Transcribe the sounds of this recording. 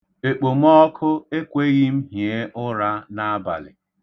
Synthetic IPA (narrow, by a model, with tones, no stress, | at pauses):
e˨k͡po˨m̩˦ɔ˦kʰʊ˦e˦kʷe˦ɣɪ˦m̩˦ɦje˦ʔʊ˦ɾa˦na˦a˦ba̰˨lɪ̰˨